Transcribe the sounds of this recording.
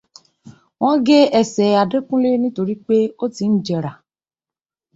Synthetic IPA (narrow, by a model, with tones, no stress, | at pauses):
w̃ɔ̃˦ɡe˦ɛ˦sɛ˨a˨dɾe˦kũ˦le˦nĩ˦to˧ɾi˦k͡pe˦o˦ti˨n̩˦d͡ʒɛ˨ɾa˨